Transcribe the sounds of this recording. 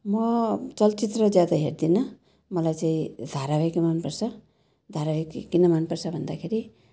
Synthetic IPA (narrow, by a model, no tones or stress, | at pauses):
mʌt͡sʌlt͡sit̪rʌd͡zjad̪aɦerd̪inʌ | mʌlajt͡saĩd̪ʱaɾabakimanpʌrt͡sʰʌ | d̪ʱaɾabikkːinʌmanpʌrsʰʌbʱʌnd̪akʰeɾi